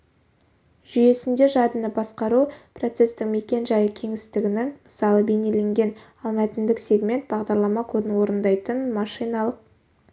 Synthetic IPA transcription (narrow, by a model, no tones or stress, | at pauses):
ʒ̥ʏje̞sɪnd̪e̞ʒɑd̪ənəbɑsqɑɾupro̞t̪se̞st̪ɪŋme̞kʲe̞nʒɑjəkʲʰe̞ŋɪst̪ɪɡʲɪnɪŋməsɑlˠəbe̞ne̞le̞ŋɡʲe̞n | ɑlˠmɑt̪ɪnd̪ɪkse̞ɡme̞nt̪̚bɑʁd̪ɑɾlˠɑmɑkʰɵbɪnwo̞ɾənd̪ɑjt̪ənmɑʃijnɑlˠəq̚